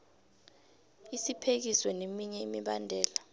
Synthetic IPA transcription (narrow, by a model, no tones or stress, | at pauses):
isipʰek̬iswɛnemiɲɛimiɓandʱɛːla